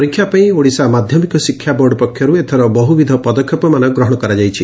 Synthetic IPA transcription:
ɔɾikʰːjapaĩoɽisamad̪ʱjɔmikɔsikʰjabɔɾɖɔpɔkʰjɔɾuet̪ʰɔɾɔbɔɦubid̪ʱɔpɔd̪ɔkʰːjɔpɔmanɔɡɾɔɦɔɽ̃ɔkɔɾad͡ʒajt͡ʃʰi

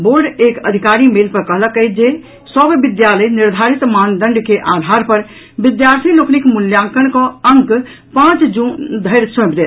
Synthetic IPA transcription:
boɾɖekəd̪ʱikaɾimelpəɾkəɦləkəjd͡ʒe | səbbid̪jaləjniɾd̪ʱaɾit̪mand̪əɳɖkeʔad̪ʱaɾpəɾ | bid̪jaɾt̪ʰiloknikmuljãŋkənkɔəŋk | pãt͡ʃd͡ʒũnd̪ʱəjɾsə̃bd̪e

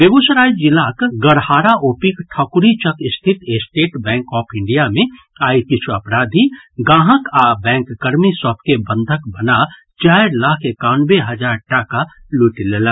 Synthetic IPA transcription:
bebusɾajd͡ʒilakɡəɾhaːɾaʔopikʈʰɔkuɾit͡ʃəkist̪ʰit̪esʈeʈbɛ̃ːŋkɔpʰɪɳɖijamẽ | aikit͡ʃʰuəpɾad̪ʱiɡãːɦəkabɛ̃ŋkːəɾmisɔp̚kebənd̪ʱəkbəna | t͡ʃajɾlakʰekanbeɦəd͡ʒaɾʈaka | luʈilelə

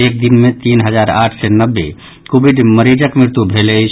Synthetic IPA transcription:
ek̚d̪inmẽt̪inɦəd͡ʒaɾa̰ʈʰsɛnəbːe | kobʱiɖməɾid͡ʒəkmɾɪɾt̪ubʱelet͡ʃʰ

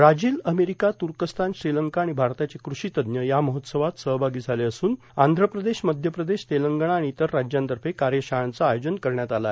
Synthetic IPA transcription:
ɾad͡ʑiːləmeɾikat̪uɾkəst̪ʰanɕɾiləŋkaːɽ̃ibʱaɾt̪at͡sekɾuɕit̪əd̪njəjaməɦot̪səʋat̪səɦbʱaɡiːd͡zʱaleəsuːn | and̪ʱɾəpɾəd̪eɕməd̪ʱjəpɾəd̪eɕt̪eləŋɡəɳ̃aːɽiːt̪əɾːad͡ʑjãnt̪əɾfekaɾjəɕaant͡saːjod͡ʑənkəɾɳjat̪alae

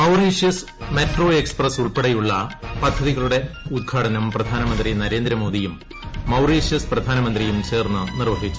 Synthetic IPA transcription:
mɐwriːʂjɐs | meʈro̞ːe̞ksprɐsuɭpeɽɐjuɭːɐpɐd̪ʱːɐðiɣɐɭuɽe̞ | ud̪̚ɡʰʱaːʈɐnɐmprɐd̪ʱaːnɐmɐnd̪rinɐɾe̞ːnd̪ɾɐmoːd̪ijumː | ɐwriːʂjɐsprɐd̪ʱaːnɐmɐnd̪rijumt͡ɕe̞ːrnːɨnirʋɐɦit͡ɕːu

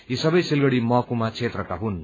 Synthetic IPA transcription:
jisʌbʌjsilɡʌɽimʌkumat͡sʰet̪rʌkaɦun

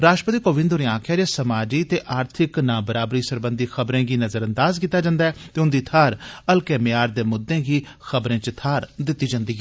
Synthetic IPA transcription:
ɾaːʃʈɾəpət̪iːkoːʋɪ̃nd̪ʊɾẽːãːkʰjaːɾaːsəmaːd͡ʒiːt̪eːʔaːɾt̪ʰɪknãːbəɾaːbɾiːsəɾbə̃nd̪iːxʰəbɾẽːɡiːnəzəɾə̃nd̪aːzkiːt̪ːaːd͡ʒãːnd̪aːɛːt̪eːʊnd̪iːt̪ʰaːɾəlkɛːmɪjaːɾd̪eːmʊd̪ːẽːɡiː | xəbɾẽːt͡ʃət̪ʰaːɾd̪ɪt̪ːiːd͡ʒãːnd̪iːɦɛ

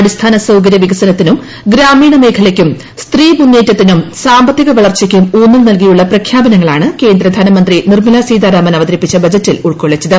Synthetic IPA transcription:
ɐɽist̪ʰaːnɐsɐwk̬ɐɾjɐʋiɡɐsɐnɐt̪ːinum | ɡɾaːmiːɳɐme̞ːkʰɐlɐkʲːum | st̪riːmunːeːtːɐt̪ːinumsaːmbɐt̪ːiɣɐʋɐɭɐrt͡ɕɐkʲːumuːnːilnɐlk̬ijuɭːɐprɐkʰjaːbɐnɐŋːɐɭaːɳɨke̞ːnd̪ɾɐd̪ʱaːnɐmɐnd̪rinirmɐlasiːd̪aːɾaːmɐnɐʋɐd̪ɐɾipːit͡ɕːɐbɐd͡ʑɐtːiluɭkoɭːet͡ɕːɐðɨ

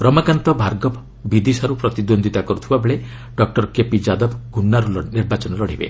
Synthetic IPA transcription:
bɾɔmakant̪ɔbʱaɾɡɔb | bid̪isaɾupɾɔt̪id̪ond̪ʱit̪akɔɾut̪ʰibabeɭe | ɖɔk̚ʈɔɾkepid͡ʒad̪ɔbɡʱunːaɾulɔniɾbat͡ʃɔnɔlɔɽ̤ibḛ

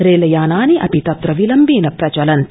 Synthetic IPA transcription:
ɾeːlɐjaːnaːniʔɐpit̪ɐt̪ɾɐʋilɐmbiːnɐpɾɐt͡ʃɐlɐnt̪

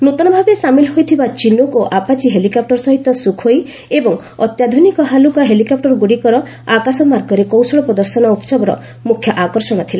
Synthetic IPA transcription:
nut̪ɔnɔbʱabesamilɦojt̪ʰibat͡ʃinukoʔapat͡ʃiɦelikap̚ʈɔɾsɔɦit̪ɔsukʰoj | ebɔŋ | ɔ̰t̪jad̪ʱunikɔɦalukaɦelikap̚ʈɔɾɡuɽikɔɾɔ | akasɔmaɾɡɔɾekowsɔɽɔpɾɔd̪ɔɾsɔnɔut̪sɔbɔɾɔ̰ | mukʰjɔʔakɔɾsɔɽ̃ɔt̪ʰila

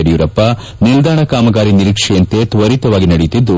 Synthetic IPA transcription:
ɐɽijuɾɐpːɐ | nild̪aːɳɐkaːmɐɡaːɾiniɾikʂɛjɐnt̪et̪ʋɐɾit̪ɐʋaːɡinɐɽit̪ːid̪ːu

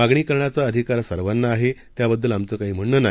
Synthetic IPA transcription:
aɡɳ̃iːkəɾɳjat͡saəd̪ʱikaɾsəɾʋanːaːɦet̪jabəd̪ʱːuːlamt͡səːkaɦiːm̤əɳːəna

